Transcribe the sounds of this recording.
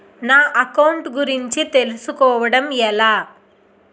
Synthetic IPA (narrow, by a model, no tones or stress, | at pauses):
naːʔɐkɐwɳʈɡuɾiɲt͡ʃit̪e̞lusukɔːʋɐɽɐmɛlaː